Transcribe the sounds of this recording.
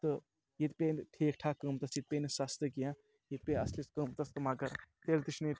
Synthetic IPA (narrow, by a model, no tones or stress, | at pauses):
t̪ɨ | jit̪pʲenʈʰeːkʰʈʰaːkəmt̪ɐsjit̪̚pʲenisɐst̪ɨkijã | jit̪̚peɐsliskəmt̪ɐst̪ɨmɐɡɐɾt̪elt̪it͡ʃʰnɨ